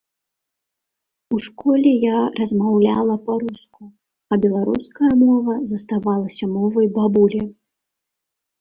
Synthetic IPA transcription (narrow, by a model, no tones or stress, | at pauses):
uʂkɔlʲɛjarɐzmawlʲa̰lˠɐpɐɾusku | ɐbʲɛlˠaɾṵskɐjɐmɔvɐzɐst̪avalˠɐsʲɐmɔvɐjbabulʲɛ